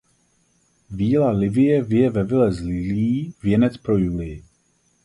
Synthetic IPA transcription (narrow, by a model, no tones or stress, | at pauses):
viːlalɪvɪjɛvɪjɛvɛvɪlɛzlɪliːvjɛnɛt͡spɾojulɪjɪ